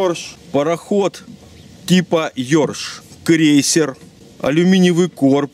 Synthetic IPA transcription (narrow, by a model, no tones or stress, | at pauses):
pəɾɐxot̪ | tʲːipɐjorʂkɾʲejsʲɪr | ɐ̰lʲʊmʲinʲɪvɨjkorp̚